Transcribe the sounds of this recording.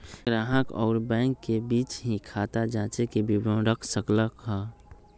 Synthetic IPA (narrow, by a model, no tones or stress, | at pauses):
ɡɾaːɦəkɔ̰ːɾbɛ̃ːŋkːebiːt͡ʃɦĩkʰat̪ad͡ʒãːt͡ʃekebibõɾəkʰsəkləkɦa